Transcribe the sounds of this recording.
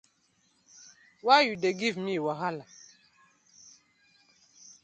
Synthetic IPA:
wajudeɡivmiwaɦala

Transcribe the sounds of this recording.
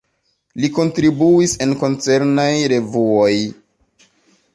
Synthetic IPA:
liko̞ntɾibuise̞nko̞nt͡se̞ɾnajɾe̞vuoj

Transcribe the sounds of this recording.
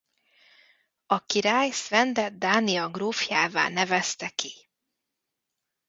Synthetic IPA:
ɒkiɾaːjsvɛnd̪ɛd̪̚d̪aːniɒɡroːfjaːva̰ːnɛvɛst̪ɛki

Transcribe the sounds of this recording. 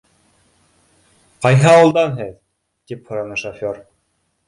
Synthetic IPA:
qɑjɦɤɑwɤ̆lˠd̪ɑnɦɘð | t̪iphŏɾɑnɤʃofʲoɾ

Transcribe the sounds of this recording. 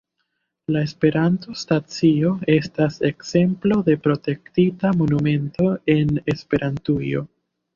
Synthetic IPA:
lae̞spe̞ɾanto̞stat͡sio̞e̞stase̞kse̞mplo̞de̞pɾo̞te̞ktitamo̞nume̞nto̞e̞ne̞spe̞ɾʔantujo̞̰

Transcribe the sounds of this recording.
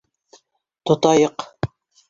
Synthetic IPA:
t̪ŏt̪ɑjɤq

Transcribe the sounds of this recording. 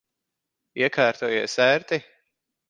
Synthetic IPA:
iɛkʰaːɾt̪uːjiɛsæɾt̪i

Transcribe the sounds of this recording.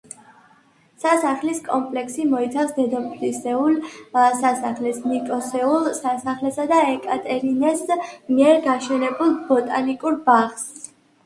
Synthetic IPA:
sasaχliskʼɔmpʼlɛksimɔit̪sʰafsd̪ɛd̪ɔpʰlisɛulsasaχlɛsnikʼɔsɛulˠsasaχlɛsad̪aɛkʼat̪ʼɛɾinɛsmiɛɾɡaʃɛnɛbulˠbɔt̪ʼanikʼuɾbaʁs

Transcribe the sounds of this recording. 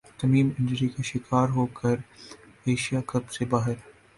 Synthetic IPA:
t̪ɐmiːmɪ̃nd͡ʒəɾikaʃɪkʰaːɾɦoːkʰɐɾ | eːʃijakɐbsebaːɦɪɾ

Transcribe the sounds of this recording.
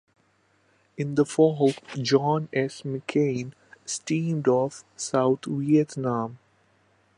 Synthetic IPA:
ɪ̃nd̪əfɔːɦopd͡ʒɔ̃ːnɛsməkʰẽɪn | sʈĩːmɖɔfsaʊt̪ʰʋiɛt̪nãːm

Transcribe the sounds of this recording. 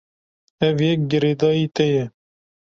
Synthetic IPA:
ɛvjɛk̚ɡɪɾed̪ɑːjiːt̪ɛjɛ

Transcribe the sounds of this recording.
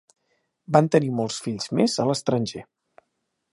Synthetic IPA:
bant̪ənimɔlˠsfiʎz̥mezələst̪ɾənʲʒe

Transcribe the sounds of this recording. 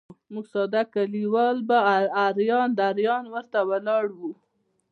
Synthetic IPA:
muɡsɑd̪akaliwɑlbaaɾjɑnd̪aɾjɑnwəɾt̪awalɑɽwu

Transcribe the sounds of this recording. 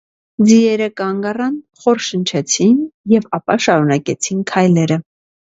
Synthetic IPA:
d͡ziɛɾəkɑŋɡɑrɑn | χɔɾʃənt͡ʃʰɛt͡sʰinjɛvɑpɑʃɑɾunɑkɛt͡sʰinkʰɑjlɛɾə

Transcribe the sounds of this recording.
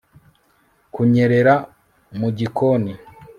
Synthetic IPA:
kuɲe̞ɾe̞ɾa | muɟikoni

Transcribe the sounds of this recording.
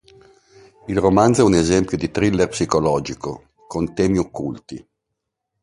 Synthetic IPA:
ilromand̪zɛunezɛmpjod̪it̪ɾilːerpsikolɔːd͡ʒiko̰ | kont̪ɛːmiokːult̪i

